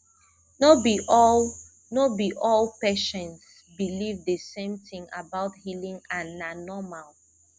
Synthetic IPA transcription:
nobiɔl | nobiʔɔlpeʃɛ̃ns | bilivdəsẽmθĩŋabaʊthilĩŋãnanɔmal

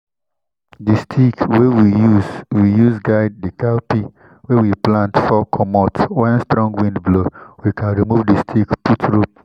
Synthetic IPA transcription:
distʰikwewijuzwijuzɡaɪd̚dikalpi | wewiplãntfɔkʰɔmɔtwɛ̃nstɾɔ̃ŋɡwĩndblowikʰãnɹimuvdistʰikputʰɹup

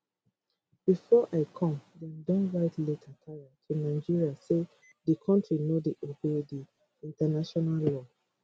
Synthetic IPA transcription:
b̥ifɔʔaɪkʰɔ̃mdɛ̃ndɔ̃nɹaɪtʰletʰatʰajatʰunaɪd͡ʒiɹiase | dikʰɔ̃ntɹinodiʔobedi | ĩntanaʃɔnallɔ

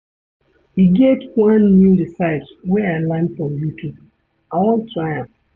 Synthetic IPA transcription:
iɡetwãnːudisaɪtwɛãlãɪ̃nfɹɔ̃mjutʰu | aɔltʰɹaɪãm

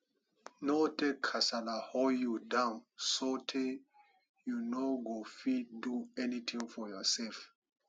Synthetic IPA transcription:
notekʰːasalahojudãnsɔtʰe | junoɡofiduɛnit̪ʰĩŋfɔjɔsɛlf

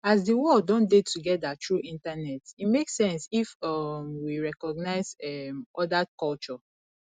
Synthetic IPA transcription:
azdəwɔldɔ̃ndetʰuɡɛdatɹuʔĩntanɛtitmeksɛ̃nsifɔmwiɹɛkɔɡnaɪzɛmɔdakɔlt͡ʃɔ

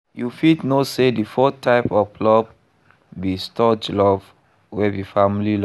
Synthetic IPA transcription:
jufidnosedifɔtʰːaɪpɔvlɔv | bistʰɔd͡ʒlɔv | wɛvifãmilil

